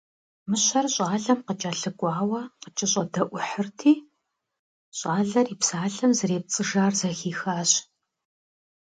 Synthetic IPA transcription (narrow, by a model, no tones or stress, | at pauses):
mɨɕɐrɕʼaːɮɐmqət͡ʃʼaːɬɨkʷʼɑːwɐqət͡ʃʼɪɕʼɐdɐʔʷʊħərtʰiː | ɕʼaːɮɐriːpsaːɮɐmzɨɾeːp̚t͡sʼɨʒaːrzɐxiːxaːɕ